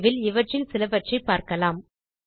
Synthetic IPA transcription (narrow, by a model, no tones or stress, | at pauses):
ʋɪlɪʋɐʈrɪnsɪlɐʋɐʈrɐɪpːaːɾkɐlaːm